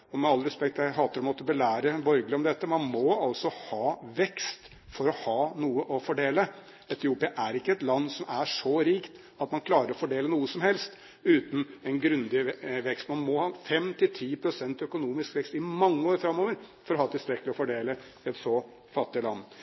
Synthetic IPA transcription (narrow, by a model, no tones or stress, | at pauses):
ɔmɛɑlːɾɛspɛkt̪jæɪɦɑːt̪əɾɔmɔt̪ːəbəlæːɾəbɔɾɡəlɪɔmd̪ɛt̪ːəmɑnmɔɑlsɔhɑːʋɛkst̪ | fɔɾɔhɑːnuːəʔɔfɔɖeːlə | ɛt̪ʰɪuːpɪɑʔæɾɪkːəɛt̪lɑnːsɔmʔæʂɔɾiːkt̪ | ɑt̪mɑnkʰlɑːɾəɾɔfɔɖeːlənuːəsɔmhɛlst̪ | ʉːt̪n̩ɛnɡɾʉnd̪ɪʋɛkst̪mɑnmɔhɑːfɛmt̪ʰɪlt̪ʰiːpʰɾʊsɛnt̪œkʊnuːmɪskʋɛkst̪ɪmɑŋːəoːɾfɾɑmːɔʋəɾfɔɾɔhɑːt̪ʰɪlst̪ɾɛkːəlɪɔfɔɖeːləɛt̪sɔ | fɑt̪ːɪəlɑnː